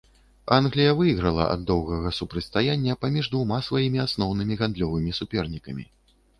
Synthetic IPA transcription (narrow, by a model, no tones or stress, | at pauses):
anɣlʲijɐvɨjɣɾɐlˠɐ̰ʔɐ̰d̪ːɔwɣɐɣɐsupɾɐtʲst̪ajanʲːɐpamʲiʐd̪vumasvajimʲiasnɔwnɨmʲiɣand̪lʲɔvɨmʲisupʲɛrnʲikɐmʲḭ